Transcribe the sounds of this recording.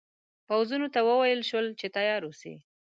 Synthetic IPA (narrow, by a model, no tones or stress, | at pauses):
pawzunot̪awəwajəlʃwəlt͡ʃet̪ajɑɾusḭ